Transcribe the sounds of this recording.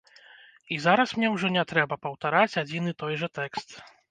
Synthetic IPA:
izaɾɐsmnʲɛwʐɔnʲɛt̪ɾɛbɐpɐwt̪aɾat͡sʲad͡zʲinɨt̪ɔjʐɐt̪ɛkst̪

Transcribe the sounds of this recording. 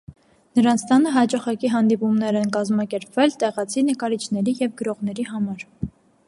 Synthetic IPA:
nəɾɑnt͡sʰt̪ɑnəɦɑt͡ʃɑχɑkiɦɑnd̪ipumnɛɾɛnkɑzmɑkɛɾpvɛlt̪ɛʁɑt͡sʰinəkɑɾit͡ʃʰnɛɾijɛvɡəɾɔʁn̪ɛɾiɦɑmɑɾ

